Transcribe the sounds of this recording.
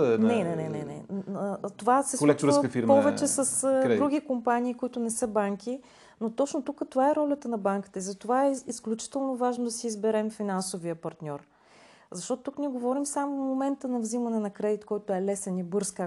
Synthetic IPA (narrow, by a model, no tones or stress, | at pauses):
nɛnɛnɛnɛnɛ̰ | t̪ovasɛslkfiɾmpɔvɛt͡ʃɛsɐsdd̪ɾuɡ̟ʲikompaniːkoit̪ʊnɛsɤbaŋkʰi | not̪ɔt͡ʃnot̪ukət̪ovaɛɾɔlʲət̪ənɐbaŋki̥t̪əizɐt̪ovaɛisklʲut͡ʃi̥t̪ɛlˠnovaʒnod̪ɐsiːzbɛɾɛmfinansovijəpɐɾt̪nʲɔɾ | zɐʃt̪ɔt̪ʊt̪ukniɛɡovɔɾimsamovmomɛnt̪ənɐvzimɐnɛnɐkɾɛd̪it̪kɔjt̪oɛlɛsɛnibɤɾska